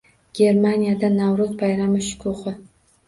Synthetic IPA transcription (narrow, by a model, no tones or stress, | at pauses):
ɡ̥ʲeɾmanijad̪anawɾozbajɾamɨʃʊ̥kʲʰʊχɨ